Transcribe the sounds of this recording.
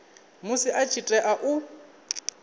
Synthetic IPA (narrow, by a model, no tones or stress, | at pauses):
mʊsɪʔat͡ʃʰitʼɛʔaʔʊ